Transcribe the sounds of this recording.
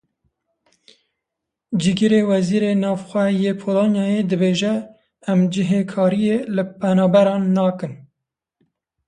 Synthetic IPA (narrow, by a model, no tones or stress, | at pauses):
d͡ʒɨɡɨɾewɛziːɾeːnɑːvxʷɛjeːpʰoːlonjɑjed̪ɨbeːʒɛː | md͡ʒɪɦekʰɑːɾijeːlɨpʰɛnɑːbɛɾɑːnːɑːkɨn